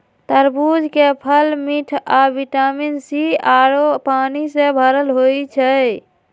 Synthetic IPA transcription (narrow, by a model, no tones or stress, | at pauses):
t̪əɾbud͡ʒʱkepʰəlmiʈʰabiʈaminsiaɾopanisẽbʱəɾəlɦojt͡ʃʰə